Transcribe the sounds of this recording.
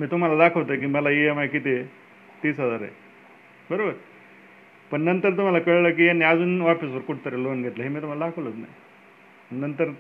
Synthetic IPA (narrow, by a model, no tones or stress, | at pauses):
miːt̪um̤alad̪akʰəʋt̪əkiːməlaeamakit̪i | t̪iːsɦəd͡zaɾḛ | bəɾobəɾ | pəɳnənt̪əɾt̪̬um̤alakəɭlək̬ianiad͡zuːnʋapisʋəɾkuʈt̪əɾelonɡʱet̪ləːɦemiːt̪um̤alad̪akʰəʋlət͡sna̰j | pəɳnənt̪əɾ